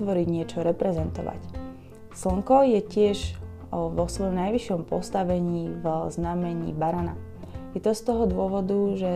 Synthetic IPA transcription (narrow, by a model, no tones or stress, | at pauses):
ʋɔɾiɟɲɪɛt͡ʃɔɾɛpɾɛzɛnt̪ɔʋa̰c | sl̩ŋkɔjɛcɪɛʒ | ʋɔsʋɔjɔmnajʋiʃjɔmpɔ̰st̪aʋɛɲiːvznamɛɲḭːbaɾana̰ | jɛt̪ɔst̪ɔɦɔd̪ʊɔʋɔd̪uʒɛ